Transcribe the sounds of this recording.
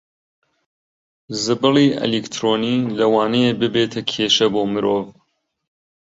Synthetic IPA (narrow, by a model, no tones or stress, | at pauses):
zɨbɨliʔɐ̰likt̪ʰɾoːnilɐwɑːnɐjebɨbeːt̪ʰɐkʰeːʃɐboːmɨɾoːv